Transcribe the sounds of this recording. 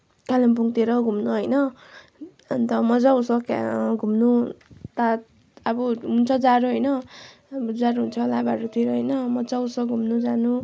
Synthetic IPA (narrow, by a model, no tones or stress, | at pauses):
kalimpuŋt̪eɾʌɡʱumnuɦʌjnʌ | nt̪ʌmʌd͡zausʌkɡʱumnut̪a | abʌɦunt͡sʰʌd͡zaɾuɦʌjnʌ | d͡zaɾuɦunt͡sʰʌlabaɾut̪ʰiɾʌɦʌjnʌmʌd͡zausʌɡʱumnud͡zanu